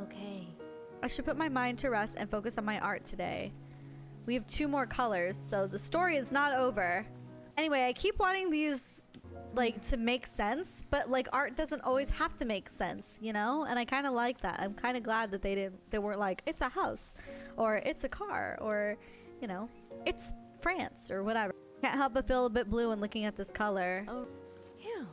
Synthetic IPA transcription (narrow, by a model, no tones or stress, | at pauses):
oʊkʰeɪ | ʔaɪʃɨd̚pʰʊt̚maɪmãɪ̃ntʰɨɹɛstɨ̰̃nfoʊkɨsn̩maɪʔɑɹtʰɨdḛɪ | wiɨv̥tʰʉmɔɹkʰʌlˠə˞z̥soʊðəstɔɹiɨznəɾoʊvə˞ | ɛñiweɪaɪkʰipwɑ̃ɾ̃ɪ̃ŋðiz̥ | laɪk̚tʰɨmeɪksɛ̃nsb̥ʌtlaɪkɑɹt̚d̥ʌzə̃ntɔ̰lˠwiz̥hæftɨmeɪksɛ̰̃nsjɨñoʊə̰̃ɾ̃aɪkʰãɪ̃ndəlaɪk̚ðæ̰tã̰ɪ̃mkʰãɪ̃ndɨɡlæd̪̚ðɨt̪̚ðeɪɾɪdⁿn̩tðeɪwɜ̃˞ntʔ̚laɪkɨtsəhaʊsʔə˞ʔɪtsɨkʰɑ̰ɹə˞ | jɨñoʊ | ɨts | fɹæ̃nsə˞wʌɾɛvə˞ | kæ̰̃nt̚ɦɛlˠp̬əfɪlˠəbɪt̚b̥lʉə̃nlʊkɪ̃ŋɨt̪̚ðɪskʰʌlˠə˞oʊ | jæ